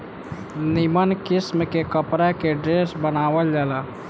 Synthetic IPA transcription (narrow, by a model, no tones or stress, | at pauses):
nɪmənkɪsmkekəpɾakeɖɾeːsbənaːʋəld͡ʒaːlaː